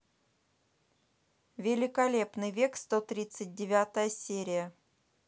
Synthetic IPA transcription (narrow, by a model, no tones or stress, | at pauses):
vʲɪlʲɪkɐlʲe̞pnɨjvʲe̞kst̪ot̪ɾʲit̪sɨt̚ʲdʲɪvʲat̪əjəsʲeɾʲɪjə